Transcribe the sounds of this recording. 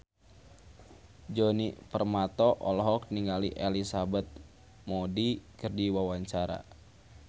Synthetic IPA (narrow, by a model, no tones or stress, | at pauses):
d͡ʒonipərmat̪ɔʔɔlɦɔk̚niŋɡalḭʔelisabɛt̪̚ | mɔdikərdiwawaɲt͡ʃaɾa̰